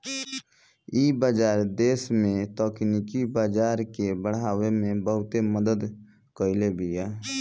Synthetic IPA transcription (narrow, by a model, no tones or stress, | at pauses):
iːbaːd͡ʒaːɾd̪eːsmẽt̪ɔːknikibaːd͡ʒaːɾkebəɽ̤aːwemẽbəɦʊt̪eməd̪əd̪ | kəɪlebʱiɛː